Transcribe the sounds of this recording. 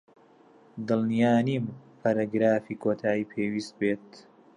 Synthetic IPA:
d̪ɨlnijaːniːmpʰɐɾaɡɾaːfiːkʰoːt̪ʰaːiːpʰeːwiːst̪̚beːt̪

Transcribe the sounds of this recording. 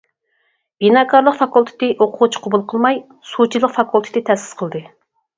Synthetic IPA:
b̥inɑkʰɑɾlˠəqfɑkulˠt̪ʰɪ̥t̪ɪʔoqʰʊʁut͡ʃʰi̥qʰʊbulˠqʰəlˠmɑj | sut͡ʃʰilˠəqfɑkulˠt̪ʰɪ̥t̪ɪt̪ʰɛsɪ̥sqʰəlˠd̪ɨ

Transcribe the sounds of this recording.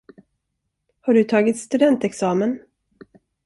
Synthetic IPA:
haɖɵt̪ʰɑːɡɪt̪st̪ɵd̪ɛnt̪ɛksɑːmən

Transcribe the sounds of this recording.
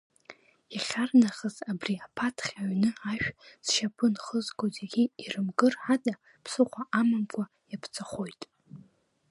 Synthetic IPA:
jaχʲarnaχəzabriapʰatʰχʲaɥnɨaʃᶣsʃapʰɨnχəzkʰʼozʼaɡʲiirɨmɡɨrħada | pʰsɨχʷaʔamamkʷʰa | japʰt͡sʼaχo̞jtʼ

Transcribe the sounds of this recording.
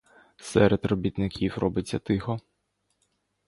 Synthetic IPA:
sɛɾʔed̪rɔbʲit̪nɪkʲiwrɔbɪt͡sʲːɐt̪ɪxɔ

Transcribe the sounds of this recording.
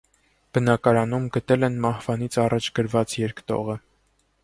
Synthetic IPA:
b̥ənɑkɑɾɑnumɡət̪ɛlɛnmɑhv̥ɑn̪it͡sʰɑrɑt͡ʃʰɡəɾvɑt͡sjɛɾkt̪ɔ̰ʁə

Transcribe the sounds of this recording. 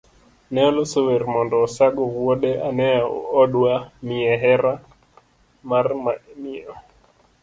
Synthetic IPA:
nɛɔlosoweɾmɔndɔːsaɡɔwoɗeʔanɛao̰ɔɗwamiɛɦɛɾa | marmmɪɔ

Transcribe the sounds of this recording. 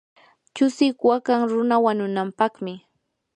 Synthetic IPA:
t͡ʃʊsɪkwakaŋɾʊnawaɲʊnampɑχmɪ

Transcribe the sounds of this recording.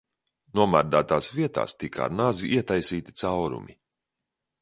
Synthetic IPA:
nuɔmaɾd̪aːt̪aːsviɛt̪a̰ːst̪ika̰ɾnaziʔiɛt̪ajsiːt̪i̥t̪sawɾṵmḭ

